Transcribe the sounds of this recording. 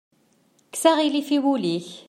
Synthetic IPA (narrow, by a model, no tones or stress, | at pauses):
ksæʁilifiwuliç